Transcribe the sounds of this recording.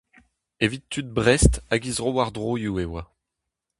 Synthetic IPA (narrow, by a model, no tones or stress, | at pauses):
evit̪ːyt̪̚bʁɛst̪aɡizʁowaʁd̪ʁojuewa